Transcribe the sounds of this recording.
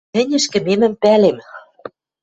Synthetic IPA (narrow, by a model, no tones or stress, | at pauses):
ɘ̆nʲɘ̆ʃkɘ̆memɘ̆mpælem